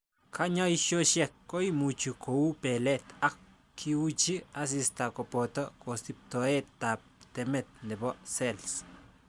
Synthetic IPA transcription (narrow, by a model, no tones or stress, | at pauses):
kʰaɲajʃoʃɛkːojmut͡ʃukʰoupɛlɛt̪ak | kʰːiwut͡ʃias̬ist̪akɔpɔt̪ɔkosip̚tɔɛtːap̚tɛmɛt̪̚ndɛbɔsɛls